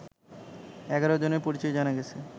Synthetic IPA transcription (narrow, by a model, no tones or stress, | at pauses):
ɛɡaɾod͡ʑoneɾpoɾit͡ɕɔed͡ʑanaɡɛt͡ɕʰe